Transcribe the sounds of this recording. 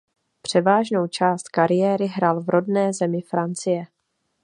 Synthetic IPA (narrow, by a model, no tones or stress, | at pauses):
pr̝̥ɛvaːʒno̞wt͡ʃaːst̪kaɾɪjɛːɾɪɦɾalvɾʔo̞dnɛːzɛmɪfɾant͡sɪjɛ